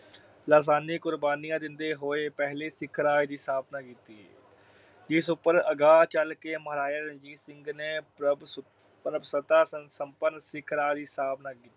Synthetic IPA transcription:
laːs̬aːniːkʊɾbaːnijãːd̪ɪnd̪eːɦoːeːpɛɦleːsɪkʰɾaːed̪iːsaːbnaːkiːt̪ḭː | d͡ʒɪsʊpːəɾəɡaːt͡ʃəlkeːməɦɾaːjaːɾənd͡ʒiːsɪŋɡneː | pɾəbsət̪aːəsəmpənsɪkʰɾaːed̪iːsaːbnaːkiːt̪iː

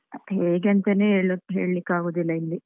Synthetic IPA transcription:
heːɡɐnt̪ɐneeɭokɦeːɭlikːaːɡoːd̪ilːɐilːi

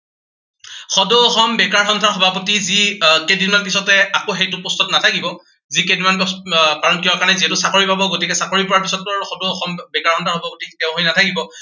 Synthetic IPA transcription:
xɔdoɔxɔmbɛkaɹxɔntʰaɹxɔbʱapotizikedimanpisɔtɛakoxejtʊpɔstɔtnatʰakibɔ | zikedimankaɹɔnkibakaɹnɛziɦɛtʊsakoɹipabɔɡotikɛsakoɹipɔɹaɹpisɔtːɔxɔdoɔxɔmbɛkaɹxɔntʰaɹxɔbʱapotitɛʊ̃ɦojnatʰakibɔ

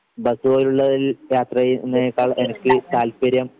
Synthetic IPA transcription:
bɐsuoːɾuɭːɐðiljaːt̪rɐjnːeekːaːɭenɐkʲːɨt̪aːlpɐɾjɐm

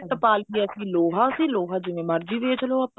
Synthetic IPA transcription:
t̪əpaːlkiːəsĩːloːɦãːʊsĩːloːɦaːd͡ʒɪʋẽːməɾd͡ʒiːʋeːt͡ʃloːəp

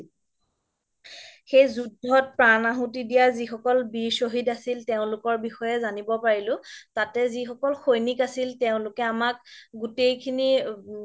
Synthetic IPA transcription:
xejzudʱːɔt̚pɹanaɦutidijazixɔkɔlbisoɦidasilteʊ̃lʊkɔɹbixɔjɛzanibɔpaɹilʊ̃tatɛzixɔkɔlxojnikasilteʊ̃lʊkɛamak̚ɡutejkʰini

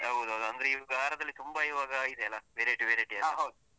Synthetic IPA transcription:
ɐɦd̪uɦɐwd̪uɐnd̪ɐɾeiɡaːɾɐd̪ɐlːit̪umbɐiʋaːɡɐid̪ɛɛlːɐʋeɾeʈiʋeːɾeʈiɛlɦɐwd̪u

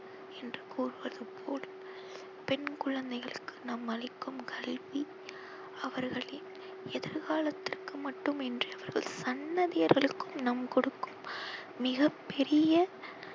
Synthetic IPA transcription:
ɛndrɯkuːrɯʋɐðɯpʰoːl | pɛnkʊɭɐnd̪ɐɪɣɐɭɯkːɯnɐmɐlɪkːɯmkʰɐlʋi | ɐʋɐɾɣɐɭɪn | ɛðɪɾɣaːlɐt̪ːɪrkɯmɐʈːɯmɛndriɐʋɐɾɣɐ̰ɭsɐnːɐðɪjɐɾɣɐɭɯkːɯmnɐmkɔɽɯkːɯmː | ɪɣɐpːɛɾɪjɐ

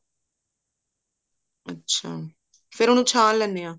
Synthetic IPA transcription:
ətːʃʰaː | fʰɪɾonũːt͡ʃʰaːnlɛnːeːãː

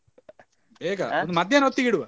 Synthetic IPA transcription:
beːɡaond̪umɐd̪jeːnɦot̪ːiɡiɽuʋɐ

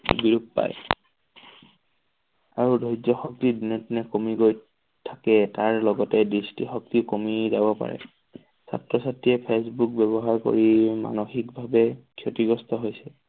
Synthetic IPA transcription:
biɹup̚pa̰j | aɹudozɔxɔk̚tidinɔtinɛkomiɡoj | tʰakɛtaɹlɔɡɔtɛdɹistixɔk̚tikomizabɔpa̰ɹɛ̰ | sa̰tɹɔsatːiɛpʰesbuk̚bɛbɔɦaɹko̰ɹima̰noxikbʱabɛkʰjotiɡɔstʰɔɦojsɛ

